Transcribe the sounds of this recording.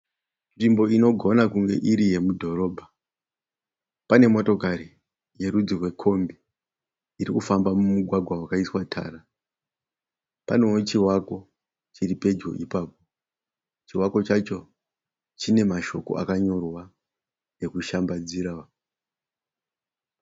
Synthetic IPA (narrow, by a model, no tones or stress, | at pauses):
nʐimbo̞ino̞ɡʱo̞nakuŋɡe̞̰ʔiɾije̞mudʱo̞ro̞ːbʱa | pane̞mo̞to̞kaɾi | je̞ɾud͡zirwe̞kʰo̞mbi | iɾikufambamumuɡʱwaɡʱwawakaiswatʰa̰ːra | pa̰no̞ot͡ʃiwako̞ | t͡ʃiripe̞d͡ʒo̞̰ʔipaːp̚o | t͡ʃiwako̞t͡ʃat͡ʃo̞ | t͡ʃine̞maʃo̞̰ko̞̰ʔa̰kaɲo̞rwa | ne̞kuʃambad͡ziɾa